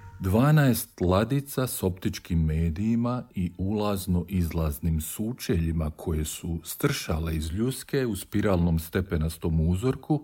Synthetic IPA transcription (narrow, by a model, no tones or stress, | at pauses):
d̪ʋaːnaest̪lˠad̪it̪saso̞pt̪it͡ʃkimːe̞ːd̪ijimaiulˠazno̞ʔizlˠaznimsuːt͡ʃeʎimakʰo̞je̞sust̪r̩ʃa̰leizʎuske̞uspiɾaːlˠno̞mst̪e̞penast̪oːmuzoɾku